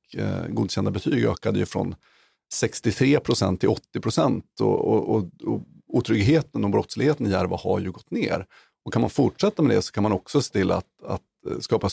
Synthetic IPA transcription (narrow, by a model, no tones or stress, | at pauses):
ɡuːd̪ɕɛnd̪abɛt̪ʰyːɡø̰ːkad̪əjɵfɾɔ̰n | sɛkst̪ɪt̪ʰɾeːpʰɾʊsɛ̰nt̪ʰːɪlɔt̪ːɪpʰɾʊsɛnt̪ɔ̰ɔɔɔ | uːt̪ʰɾʏɡɦeːt̪ənɔbɾɔt̪slɪɡheːt̪ənɪjæɾvaha̰ɾjɵɡɔt̪ːnḛːɾ | ɔkʰanmanfʊʈʂɛt̪ːamɛd̪ɛsɔ̥kʰanmanɔksɔseːt̪ʰɪlːa̰t̪a̰t̪skɑːpa